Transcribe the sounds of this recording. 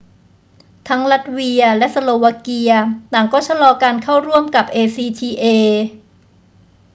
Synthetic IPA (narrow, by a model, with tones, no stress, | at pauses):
t̪ʰa˦˥ŋla˦˥t̪̚wi˧ɐlɛ˦˥ʔsa˧loː˧wa˧˥ki˧ɐt̪aː˨˩ŋkɔː˥˩t͡ɕʰa˧lɔː˧kaː˧nkʰa˥˩wɾu˥˩əmka˨˩p̚ʔeː˧siː˧t̪ʰiː˧ʔeː˧